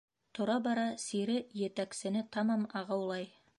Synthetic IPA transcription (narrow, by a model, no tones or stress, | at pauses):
t̪ʰŏɾɑbɑɾɑsiɾɪjet̪æksɘ̆nɪt̪ʰɑmɑmɑʁɑwlˠɑj